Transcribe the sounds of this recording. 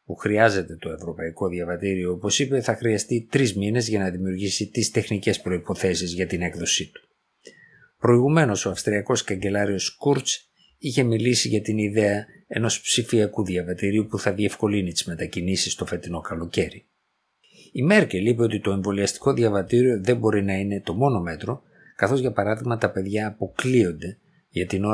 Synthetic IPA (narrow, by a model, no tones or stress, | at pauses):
puxɾiɐze̞t̪e̞t̪o̞e̞vɾo̞pɐiko̞ðjɐvɐt̪iɾio̞opo̞sipe̞θɐxɾiɐst̪it̪ɾizmine̞zʝɐnɐðimiuɾʝisit̪ist̪e̞xnice̞spɾo̞ipo̞θe̞sizʝɐt̪ine̞kðo̞sit̪u̥ | pɾo̞iɣume̞no̞so̞ɐfst̪ɾiɐko̞skɐɲɟe̞lɐɾio̞skuɾs | içe̞milisiʝɐt̪iniðe̞ɐ | e̞no̞spsifiɐkuðiɐvɐt̪iɾiupuθɐðie̞fko̞linit̪i̥zme̞t̪ɐcinisist̪o̞fe̞t̪ino̞kɐlo̞ce̞ɾi | ime̞ɾcelipeo̞t̪it̪o̞e̞ɱvo̞liɐst̪i̥ko̞ðiɐvɐt̪iɾio̞ðe̞mbo̞ɾinɐine̞t̪o̞mo̞no̞me̞t̪ɾo̞ | kɐθo̞zʝɐpɐɾɐðiɣmɐt̪ɐpe̞ðʝɐːpo̞klio̞nd̪e̞ | ʝɐt̪ino̞